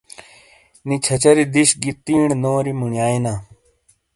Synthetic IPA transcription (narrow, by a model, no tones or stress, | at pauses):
nit͡ɕʰɐt͡ɕɐɾid̪iɕɡit̪ːiːɳnoːɾimuɳjaːinaː